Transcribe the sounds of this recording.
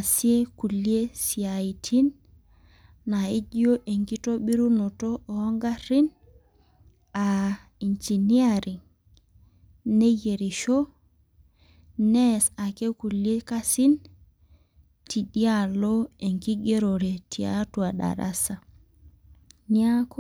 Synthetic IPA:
a˨si˦e˦ku˨lje˦si˨a˨i˨tʰi˦n | a˨i˦d͡ʒjo˦ʔe˨ŋki˦to˦ɓi˦ɾu˦no˨to˦ʔoː˨˦ŋɡa˦ɾi˦n | a˨ | i˨nd͡ʒi˨ni˦a˦ɾi˨ŋ | ne˦je˨ɾi˨ʃo˦ | nɛ˦sa˨ke˦ku˨lje˦ka˦si˦n | tʰi˨ɗi˦a˦lo˦e˨ŋki˦ɡe˦ɾo˨ɾe˨tʰi˨a̰˦twa˨ɗa̰˨ɾa̰˦sa˨ | ni˦a˦k

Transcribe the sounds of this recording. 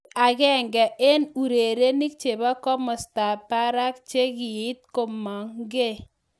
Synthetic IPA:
a˨kɛ˦ŋɡɛ˨ʔe˦nu˨ɾe˨ɾe˦ni˦k̚t͡ʃe˨ba˦kɔ˦mɔ˨sta˨pa˦ɾa˦k̚t͡ʃe˦kɪ˨ɪ˦t̪̚ko˨ma˨ŋɡe˦˨

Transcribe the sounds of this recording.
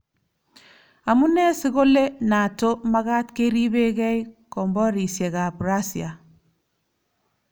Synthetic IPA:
a˨mu˦nɛ˦sɪ˦ko˦le˦na˨to˦ma˦ka˦tke˦ɾi˦be˦kɛ˦ikɔ˨mbɔ˦ɾi˨sje˨ka˨bɾa˦sia˨

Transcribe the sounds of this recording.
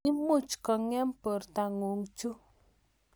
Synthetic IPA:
i˦mu˦˨t͡ʃkɔ˨ŋɛ˦m˦pə˨ɾta˨ŋo˨ŋt͡ʃu˦

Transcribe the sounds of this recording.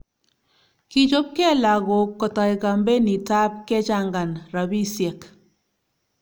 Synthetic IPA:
ki˦t͡ʃo˦p̚kɛ˦la˨ɣo˨kːɔ˨ta˨jka˨mbe˦ni˨ta˦p̚kɛ˦t͡ʃa˦ŋɡa˨nɾa˨bi˦sjɛ˨k

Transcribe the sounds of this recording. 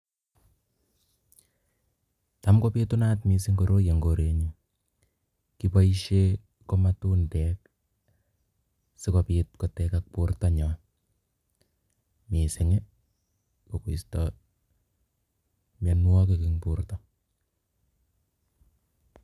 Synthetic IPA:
ta˦mko˦pi˦tu˦na˦tmi˨si˦ŋkoɾo˦je˨ŋɡo˨ɾe˨ɲi˨ | kipa˦i˦ʃe˦ | ko˦ma˦tu˦ndɛ˨k | sɪ˦kopit̚kɔ˨tɛka˦k̚pu˦ɾtɔ˦ɲɔ˨ | mi˨sɪ˨ŋe˦ | ko˨ku˨stɔ | ma˨nwɔ˦keki˦ŋpu˦ɾtɔ

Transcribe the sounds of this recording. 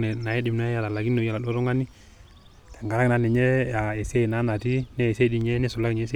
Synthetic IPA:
ɛ˨na˨jɛ˦dɪ˨m˨na˨˦ja˨ta˨la˨ɡi˦no˨˦ja˨la˨dɔ˦ɾɔ˦ŋɡa˦ni˦ | tɛ˨ŋɡa˨ɾa˦kna˦nɛ˨ɲɛ˦ja˨ɛ˨se˦˨na˨˦na˨ti˦nɛ˦˨se˦˨di˦ɲɛ˦nɛ˦sʊ˨la˦kɲɛ˨˦s̬e˦

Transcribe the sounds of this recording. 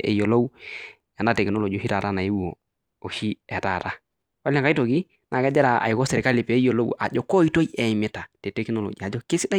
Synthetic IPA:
ḛ˨jo˨lo˦w | a˨na˦˨te˨ki˨no˦lo˨d͡ʒo˨hi˦ta˨ɾa˦na˨je˦wo̰˨ | o˨ʃi˦e˨ta˨ɾa˦ | wa˦lka˦i˦to˨ɡi˦ | nʔa˨ɡa˦d͡ʒe˦ɾa˨a̰˨i˨ko˦se˨ɾe˨ka˦li˨peː˨˦jo˨lo˦wa̰˨d͡ʒo˨ko˦i˦to˦je˨mi˨ta˨te˨te˦kno˦lo̰˨d͡ʒi˨a˨d͡ʒo˦ke˦si˦da˦

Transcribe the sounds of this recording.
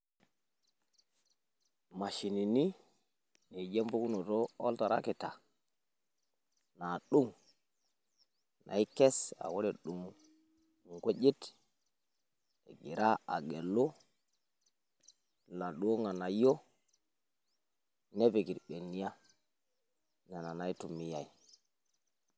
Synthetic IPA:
ma˨ʃi˨ni˨ni˦ | ni˨d͡ʒe˦mbu˦ku˦no˨to˦o˦lta˨ɾa̰˦ke˨ta˨ | na˨ɗu˦˨ŋ | nʔa̰˨i˦ke˦sa̰˨wo˦ɾe˨ɗu˨ŋ˨ | ŋɡʷe˦d͡ʒi˦t | ḛ˨ɡi˨ɾa˦a̰˨ɡe˨lo˦ | la˨ɗu˨˦o˦ŋa˨na˨jo˦ | ne˦pe˨ɡi˨ɾɓe˨nːi˦ja˦ | na˨na˨na˨i˦tu˨mi˦ja˨i˨

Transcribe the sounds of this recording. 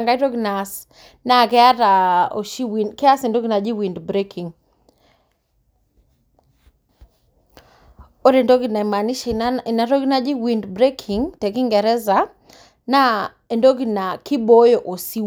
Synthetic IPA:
ŋɡa˦i˦ɾo˦ɡnas | na˦˨kɛ˦a˦ɾao̰˨ʃi˦winkɛ˦a˦se˨ndo˦ɡi˦na˨d͡ʒi˦wi˨ndbɾe˦kʰi˨ŋ | o˦ɾe˨ndo˦ɡi˨na˨ma˨ni˦ʃɪ˨na˨ɾo˦ɡna˦d͡ʒi˦wi˨ndbɾe˦kʰi˨ŋtɛ˨kɪ˦ŋɡɛ˨ɾɛ˦za˨ | na˦ | e˨ndo˦ɡi˨na˨kɪ˦bo˦jo˨ʔo˨si˦

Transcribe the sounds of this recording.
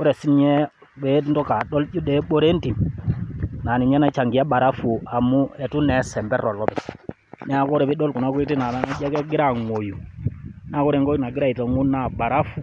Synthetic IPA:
kɔ˦ɾɛ˨si˦nɲɛ˦ | be˨˦ntɔ˦ka˨ɗɔ˦ld͡ʒu˦dɛ˨˦ɓo˦ɾe˦nti˨m | na˨ni˨ɲɲa˦na˦t͡ʃa˨ŋɡi˨a˦ɓa˨ɾa˦fu˨a˨mu˦ɛ˨tu˦nɛ˨˦sɛ˨mbɛ˦ɾɔ˨lɔ˦tɛ˨ | nɛ˦a˨ko˦ɾɛ˨βi˦ɗɔ˦lku˨na˦ku˦i˦ti˦na˨na˨na˦d͡ʒɛ˦kɛ˦ɡɪ˦ɾa˨ŋo˨ju˨na˦˨ko˦ɾɛ˨ŋɡo˦na˨ɡɪ˦ɾa˦˨i˨tɔ˨ŋu˦na˦˨ba˨ɾa˦fu˨

